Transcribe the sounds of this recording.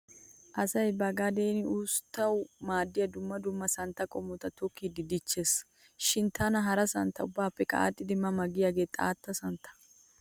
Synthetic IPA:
ʔɐsɐjbɐɡad̪eːnɪuːst̪ːɐwmaːd̪ːɪjɐd̪ʊmːɐd̪ʊmːɐsɐnt̪ːɐkʼɔmːɔt̪ɐt̪ɔkʰːiːd̪ɪd̪ɪt͡ʃːeːs | ʃɪnt̪anɐɦɐɾɐsɐnt̪ːɐʊbːaːpːɛkʼa̰ːt̪ʼːɪd̪ɪmɐmɐɡɪjaɡeːt̪ʼa̰ːt̪ːɐsɐnt̪ɐ̥

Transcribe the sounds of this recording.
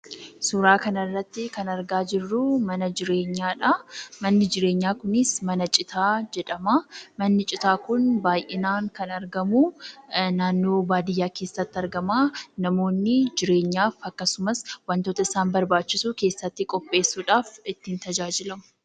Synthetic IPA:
suːɾaːkɐnɐrːɐt̪ːɪkɐnɐɾɡaːd͡ʒɪrːʊmɐnɐd͡ʒɪɾe̞ːɲːaːᶑɐmɐnːɪd͡ʒɪɾe̞ːɲːaːkʊnɪsmɐnɐt͡ʃʼɪt̪ʰaːd͡ʒɛᶑɐmɐmɐnːɪt͡ʃʼɪt̪aːkʊnbaːjʔɪnaːŋkɐnɐɾɡɐmunaːnːo̞ːbaːd̪ɪjːaːke̞ːsːɐt̪ːɪɐɾɡɐmaːnɐmo̞ːnːɪd͡ʒɪɾe̞ːɲːaːfɐkːɐsʊmɐswɐnt̪o̞ːt̪ɐɪsaːnbɐɾbaːt͡ʃːɪsuːke̞ːsːɐt̪ːɪkʼɔpʼːe̞ːsːuːᶑaːfɪt̪ːiːnt̪ɐd͡ʒaːd͡ʒɪlɐmʊ̥

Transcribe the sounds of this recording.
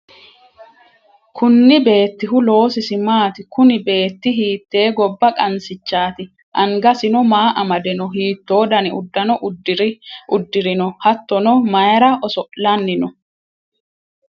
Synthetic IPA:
kʰʊnːɪbe̞ːt̪ːɪɦʊlo̞ːsɪsɪmaːt̪ɪkʊnɪbe̞ːt̪ːɪɦiːt̪ːe̞ːɡɔbːɐkʼɐnsɪt͡ʃːaːt̪ɪ | ʔɐŋɡɐsɪnɔmaːʔɐmɐd̪ɛnɔɦiːt̪ːoːd̪ɐnɪʊ̰d̪ːɐnɔɾʔʊd̪ːɪɾɪnɔhɐt̪ːɔnɔmɐjɾɐʔɔsɔʔlɐnːɪnɔ

